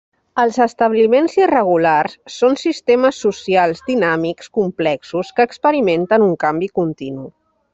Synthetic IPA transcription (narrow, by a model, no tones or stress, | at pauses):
əlˠzəst̪əβlimenzirəɣ̞ularsːonsist̪eməsːusialˠzd̪inamikskumplɛksuskəːkspəɾiment̪ənuŋkambikunt̪inu